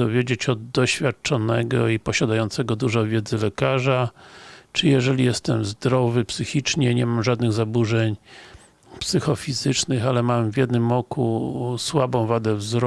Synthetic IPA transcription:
ɔvʲjed͡ʑet͡ɕɔd̪ːɔɕfʲjat̪̚t͡ʂɔnɛɡɔipɔɕad̪ajɔnt̪sɛɡɔd̪uʐɔvʲjɛd̪zɘlɛkaʐa | t͡ʂɘjɛʐɛlʲijɛst̪ɛmzd̪ɾɔvɘpsɘxʲit͡ʂɲɛɲɛmamʐad̪nɘɣzabuʐɛɲ | psɘxɔfʲizɘt͡ʂnɘxalɛmamvʲjɛd̪nɘmɔkuswabɔ̃w̃vad̪ɛvzɾɔ

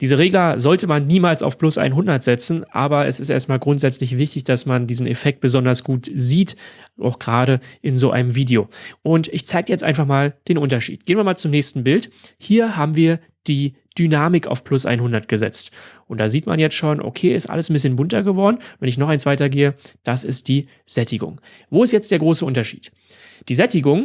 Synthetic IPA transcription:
d̥iːzəʁeːɡlɐzɔltʰəmanːiːmaːlsa̰ʊfpl̥ʊsʔa̰ɪnɦʊndɐtz̥ɛt͡sn̩ʔa̰ːbɐɛ̰sɪstʔeːɐstmaːlɡʁʊntz̥ɛt͡slɪçv̥ɪçtɪçd̥asmandiːzn̩efɛk̚t̚b̥əzɔndɐsɡ̥uːtziːtʔa̰ʊxɡ̥ʁaːɾəʔɪnzoːʔa̰ɪnəmviːdijoːʔʊntɪçt͡saɪɡəjɛt͡stʔa̰ɪnfaχmaːld̥eːnʔʊntɐʃḭːt̚ɡ̥eːənviɐmaːlt͡sʊmnɛːçstn̩bɪlthiːɐɦaːbm̩viːɐ | d̥iː | d̥ynaːmɪka̰ʊfpʰlʊsʔa̰ɪnhʊndɐtɡ̥əzɛ̰t͡stʔʊnt̚d̥aːziːtma̰njɛt͡stʃoːnʔo̰kʰeːɪstʔa̰ləsn̩bɪsçənbʊntɐɡəvɔɐdn̩ʊnvɛnɪçnɔχaɪnt͡sv̥aɪtɐɡeːəd̥asɪst̚d̥iː | z̥ɛtɪɡʊ̰ŋ | voːɪstjɛt͡sd̥eːɐɡʁoːsəʔʊntɐʃḭːt | d̥iːzɛtɪɡʊŋ

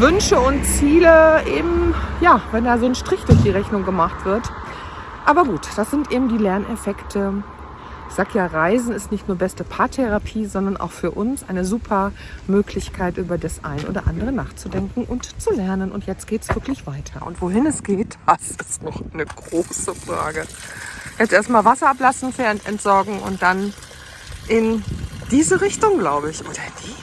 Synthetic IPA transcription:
vʏnʃəʊntt͡siːləʔeːbm̩jaːvɛndaːzoːnʃtʁ̥ɪçd̥ʊɐçd̥iːʁɛçnʊŋɡəmaχtv̥ɪɐt | ʔaːbɐɡuːtd̥asz̥ɪntʔeːbm̩diːlɛɐnefɛktʰə | ɪçz̥aːɡəjaːʁaɪzn̩ɪstnɪçtnuːɐbɛstəpʰaɐtʰɛʁapʰiːzɔndɐnʔa̰ʊxfyːɐʔʊnsʔaɪnəzuːpʰɐ | møːkʰlɪçkʰaɪtʔyːbɐdasʔa̰ɪnəʔo̰ːdɐ̰ʔa̰ndəʁ̞ənaːχt͡sudɛŋkŋ̩ʔʊntt͡sulɛɐnənʊntjɛt͡stɡ̥eːtsv̥ɪɐklɪçv̥aɪtʰɐʔʊ̰ntv̥oɦɪnɛsɡ̥eːtasɪstnɔχaɪnəɡ̥ʁoːsəfʁ̥a̰ːɡəjɛstʔeːɐstmaːlvasɐaplasn̩feːɐntɛ̰ntz̥ɔɐɡŋ̩ʊ̰nt̚d̥an | ʔɪnd̥iːzəʁɪçtʊŋɡlaʊbəɪçʔoːdɐd̥i

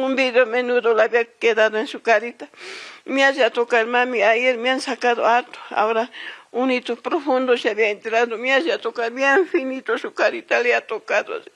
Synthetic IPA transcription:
umbid̪jomenud̪olabiaked̪ad̪oensukaɾit̪amiaʒat̪okaɾmamiajeɾmĩansakaðo̰aɾt̪o̥a̰oɾaunit̪opɾofund̪oʃaβjaent̪ɾad̪omiaʃat̪okaɾbjeɱfinit̪oʃukaɾit̪aleat̪okad̪o̰de

